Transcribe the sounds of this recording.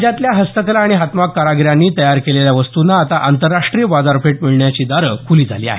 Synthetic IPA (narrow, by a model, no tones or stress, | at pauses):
d͡ʑat̪ljaɦəst̪əklaːɽ̃iɦat̪makːaɾaɡɾjanːiːt̪əjaɾkeleljaʋəst̪unaːt̪aʔant̪əɾːaʂʈɾijəʋad͡z̪aɾfeʈ̚miɭɳjat͡ɕiːd̪aɾəkʰuliːd͡zʱa̰liːa̰ɦe